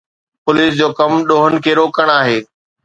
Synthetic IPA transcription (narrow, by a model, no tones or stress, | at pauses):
pʊliːsd͡ʑoːkɐmɗoːɦənɪ̆kʰeːɾoːkəɽ̃aːɦeː